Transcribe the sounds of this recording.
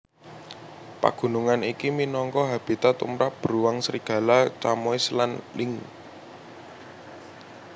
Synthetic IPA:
pa̰ɡ̥ṳnuŋanikiminɔŋkɔɦab̥i̤t̪at̪ṵmɾap̚b̥əɾuwaŋsəɾiɡ̥ä̤lat͡ʃamɔislanlɪŋ

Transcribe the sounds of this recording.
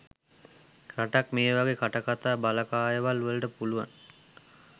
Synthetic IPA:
kɾaʈakmeːʋaɡekʰaʈakat̪aːbaləkaːjəʋaluəlʈəpuluʋa̰n

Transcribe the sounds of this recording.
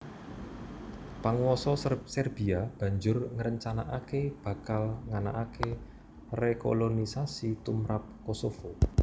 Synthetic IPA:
paŋwɔsɔsɛrb̥i̤ab̥ä̤ɲd͡ʒʊrŋəɾəɲt͡ʃanaʔakeb̥ä̤kalŋana̰ʔake | reko̰lonisasit̪umɾap̚kosofo

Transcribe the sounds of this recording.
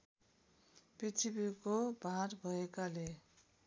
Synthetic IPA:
pit͡sʰibikobʱaɾbʱʌekale

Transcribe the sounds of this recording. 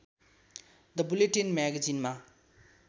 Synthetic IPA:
d̪ɐbuleʈinmɛɡɐzinma

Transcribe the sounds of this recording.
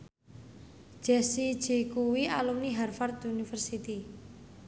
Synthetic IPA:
d̥ʒ̥ɛsid̥ʒ̥e̤kuwialumniɦarfart̪unifərsit̪i

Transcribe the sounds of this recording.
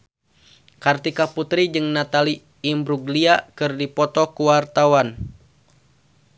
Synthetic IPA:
kart̪ikaput̪ɾid͡ʒɨŋnat̪aliː | mbɾuɡliakɨrdipɔt̪ɔkuwart̪awan

